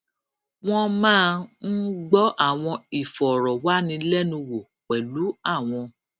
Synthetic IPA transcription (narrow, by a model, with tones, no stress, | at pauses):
w̃ɔ̃˦mãː˦˧n̩˦ɡ͡bɔ˦ʔa˦˨w̃ɔ̃˧i˨fɔ˨ɾɔ˨wa˨˦nĩ˧lɛ˦nũ˧wo˨ | k͡pɛ˨lu˨˦a˦˨w̃ɔ̃˧